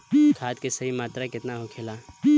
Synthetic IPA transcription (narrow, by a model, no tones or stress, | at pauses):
k̪ʰaːt̪kesɐɦimaːt̪ɾakɪt̪naɦokʰeːlaː